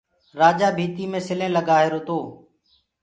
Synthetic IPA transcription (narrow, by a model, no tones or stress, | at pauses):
ɾaːd͡ʒaːbʱiːt̪iːmẽːsɪlẽːləɡaːɦeːɾʊt̪oː